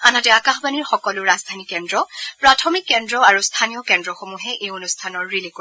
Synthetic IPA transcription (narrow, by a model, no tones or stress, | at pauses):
anatɛakaxbaniɹxɔkɔlʊɹazdʱanikɛndɹɔpɹatʰɔmikːɛndɹɔaɹustʰanijɔkɛndɹɔxomuɦɛʔejonustʰanɔɹːilik